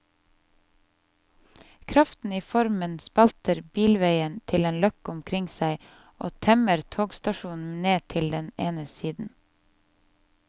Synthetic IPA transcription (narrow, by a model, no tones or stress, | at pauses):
kʰɾɑft̪n̩iːfɔɾmənspɑlt̪əɾbiːlʋeɪənt̪ʰɪleːnlœkʊmkʰɾɪŋsæɪ | ʔoːt̪ʰɛməɾt̪ʰoːɡst̪ɑʃuːnn̩neːt̪ʰɪld̪ɛneːnəsiːd̪n̩